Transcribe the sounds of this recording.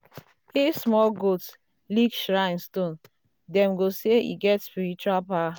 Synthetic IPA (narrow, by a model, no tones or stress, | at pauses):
ismɔlɡots | liɡʃɹaɪ̃nstõn | dɛ̃mɡoseḭɡɛtspiɹit͡ʃualpawa